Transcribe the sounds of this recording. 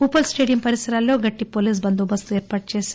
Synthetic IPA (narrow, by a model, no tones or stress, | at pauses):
uːpɐlsʈeːɖijɐmpɐɾisɐɾaːlːo̞ːɡɐʈːipo̞ːliːs̬bɐnd̪ubɐst̪ueːɾpaːʈ̚t͡ʃeːs